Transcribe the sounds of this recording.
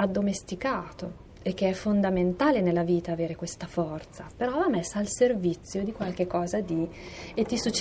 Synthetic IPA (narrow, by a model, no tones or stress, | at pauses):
ad̪ːomest̪ikaːt̪o | ek̟ːeɛfːond̪ament̪aːlenelːaviːt̪aːveːɾekwest̪afɔrt̪sapeɾɔvamːesːaːlservit̪sːjod̪ikwalk̟ekːɔːzad̪iet̪ːisut͡ʃː